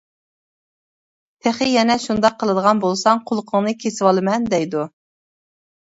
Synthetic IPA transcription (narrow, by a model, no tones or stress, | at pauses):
t̪ʰeχɨjɛnɛʃund̪ɑqʰːəlˠɨd̪əʁɑnbolˠsɑŋqʰʊlˠqʰəŋnɨkʲʰesɪwɑlˠɨmɛnd̪ɛjd̪u